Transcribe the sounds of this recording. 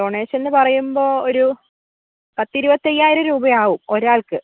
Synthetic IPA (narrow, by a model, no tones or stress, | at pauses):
oːɳeːɕe̞nːɨpɐrɐjumbo̞ːoɾu | pɐt̪ːiɾubɐt̪ːejːaːjiɾɐɾuːbɐjaːʋumo̞ɾaːɭkɨ